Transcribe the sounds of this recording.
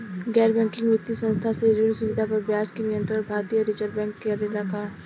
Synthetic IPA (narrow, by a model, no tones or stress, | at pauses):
ɡɛːɾbɛ̃ːŋkɪ̃ŋɡʋɪt̪ːisə̃nst̪ʰaseɾiɳsuʋɪd̪ʱapɐɾbjaːskenɪjə̃nt̪ɾəɽbʱaːɾt̪ijəɾɪt͡ʃəɾbɛ̃ːŋkːeɐɾelakaː